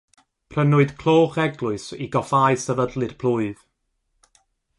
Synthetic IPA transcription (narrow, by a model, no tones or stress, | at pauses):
pʰrənʊɨdkʰl̥ˠoːχɛɡlˠʊɨsiɡɔfaɨsəvədlˠɨr̥pʰl̥ˠuːɨð̥